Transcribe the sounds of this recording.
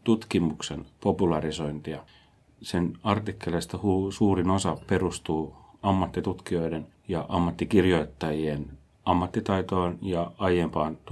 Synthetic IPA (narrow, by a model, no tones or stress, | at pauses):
t̪ut̪kimuksenpo̞pulɑriso̞int̪iɑ | senɑrt̪ikːelest̪æhuːsuːrinosɑperust̪uːɑmːɑt̪ːit̪ut̪kio̞iden | jɑʔɑmːɑt̪ːikirjoit̪ːɑjien | ɑmːɑt̪ːit̪ɑit̪oːnjɑɑjempɑːnt̪